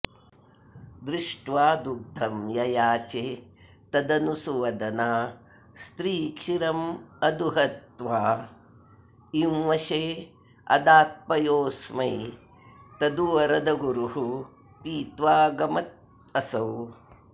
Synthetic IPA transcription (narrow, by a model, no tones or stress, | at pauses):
d̪ɾɪʂʈʋaːd̪uɡ̚d̪ʱɐmjɐjaːt͡ʃeː | t̪ɐd̪ɐnusuʋɐd̪ɐnaː | st̪ɾiːkʃiɾɐmɐd̪uɦɐt̪ʋaː | iwʋɐʃeː | ɐ̰d̪aːt̪̚pɐjoːsmɐj | t̪ɐd̪uʋɐɾɐd̪ɐɡuɾuɦu | piːt̪ʋaːɡɐmɐt̪̚ | ɐsɐw